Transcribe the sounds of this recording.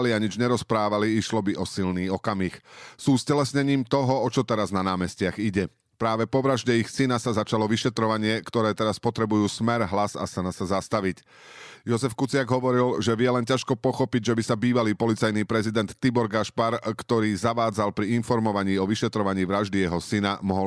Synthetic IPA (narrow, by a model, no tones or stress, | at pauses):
liaɲid͡ʒɲɛɾɔspɾaːʋaliiʃlɔbiʔɔsilniːɔkamiːxsuːscɛlɛsɲɛɲiːmt̪ɔɦɔɔt͡ʃɔt̪ɛɾaznanaːmɛscɪaɣiɟɛ | pɾaːʋɛpɔʋɾaʒɟɛixsinasazat͡ʃalɔʋiʃɛt̪ɾɔʋaɲɪɛkt̪ɔɾɛːt̪ɛɾaspɔt̪ɾɛbujuːsmɛɾɦlaza̰sanasazast̪aʋic | jɔzɛfkut͡sɪaɡɦɔʋɔɾilʒɛʋɪjɛlɛncaʃkɔpɔxɔpiɟʒɛbisabiːʋaliːpɔlit͡sajniːpɾɛzid̪ɛnt̪ːibɔɾɡaʃpaɾkt̪ɔɾiːzaʋaːd͡zalpɾiinfɔɾmɔʋaɲiːɔʋiʃɛt̪ɾɔʋaɲiːʋɾaʒd̪ijɛɦɔsinamɔɦɔl